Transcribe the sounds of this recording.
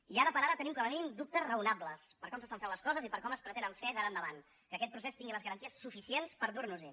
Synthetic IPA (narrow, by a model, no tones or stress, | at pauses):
iaɾəpəɾaɾət̪ənimkələminimd̪up̚t̪əzrəunabləspəɾkɔmsəst̪aɱfenləskɔzəzipəɾkɔməspɾət̪enəɱfɛðəɾand̪əβan | kəkɛt̪̚pɾus̬est̪iŋɡiləzɣəɾənt̪iəsːufisienspəɾðuɾnuzi